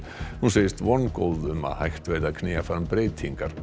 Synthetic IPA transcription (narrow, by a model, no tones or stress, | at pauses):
hunseːjɪst̪vɔnːkow̪ðʏma̰ðhajxt̪vejðakʰnɪːafaɾmpɾeːjt̪ʰiŋkaɾ̥